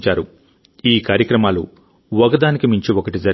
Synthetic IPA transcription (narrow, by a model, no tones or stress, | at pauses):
t͡ʃaːɾu | iːkaːɾjɐkɾɐmaːlu | ʋɐɡɐd̪aːnikimiɲt͡ʃiokɐʈid͡ʒɐɾ